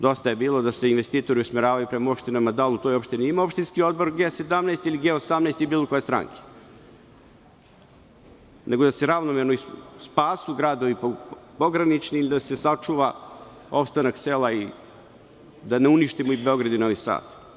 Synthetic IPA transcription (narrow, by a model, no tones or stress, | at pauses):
d̪o̞st̪aje̞biːlˠo̞d̪aseinʋe̞st̪iːt̪o̞ɾiusmeɾaːʋajupɾemao̞pʃt̪inamad̪alˠut̪ojo̞pʃt̪iniimao̞pʃt̪inskio̞d̪̚boɾɡese̞d̪amneːst̪iliɡeosamneːst̪ijebiːlˠoko̞jest̪ɾa̰ŋkʰe̥ | nʔeɡo̞d̪aseɾaʋnomeɾnoispaːsuɡɾaːd̪o̞ʋippo̞ɡɾanit͡ʃniilid̪asesat͡ʂuʋa | o̞pst̪anakselˠai | d̪aneuniʃt̪imoibe̞o̞ɡɾad̪inoʋisa̰ːt̪